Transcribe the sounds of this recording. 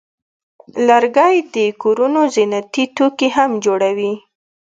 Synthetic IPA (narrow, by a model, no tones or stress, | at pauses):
laɾɡɑjd̪əkoɾunozinat̪it̪okeɦamd͡ʒoɽawi